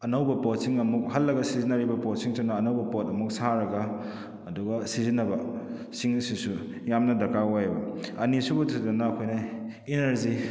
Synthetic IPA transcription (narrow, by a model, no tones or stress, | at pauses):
ɐnɐwbɐpot̚siŋɐmuk̚hɐlːɐɡɐsizinaɾibɐpot̚siŋsonːɐːnɐwbɐpotɐmuk̚saɾɐɡɐː | duɡɐsizinːɐbɐ | siŋsisu | jamnɐdɐkawajbɐɐnisubutʰidɐnɐːkʰojnɐ | inɐɾzi